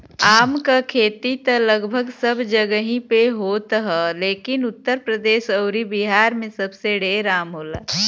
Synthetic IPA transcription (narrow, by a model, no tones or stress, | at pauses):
aːmkakʰeːt̪it̪ɐlɐɡbʱəɡsɐbd͡ʒɐɡəɦĩpeɦoːt̪ɦɛleːkɪnʊt̪ːəɾpɾəd̪eːʃɐʊɾibiɦaːɾmẽsɐbseɖeːɾaːmɦoːla̰ː